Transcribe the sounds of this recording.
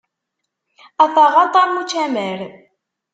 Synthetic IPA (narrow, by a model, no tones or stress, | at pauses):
æθɑʁɑt̪ˤɑɾmut͡ʃːæməɾ